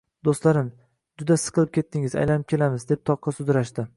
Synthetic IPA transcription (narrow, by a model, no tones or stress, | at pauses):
d̪ost̪laɾɪm | d͡ʒʊd̪asɪz̥qʰɨlˠɪp̚kʲʰe̞t̪ʰːɪŋɪza̰jlanɪp̚kʲe̞lamɪzd̪e̞p̚t̪ʰɒqʰːɑsʊzɾaʃd̪ɪ